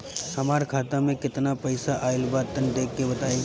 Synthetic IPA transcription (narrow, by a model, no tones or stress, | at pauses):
hɐmaːɾkʰaːt̪ãmẽkɪt̪napɐɪsaʔaːɪlbaːt̪ːənd̪eːkːebɐt̪aːe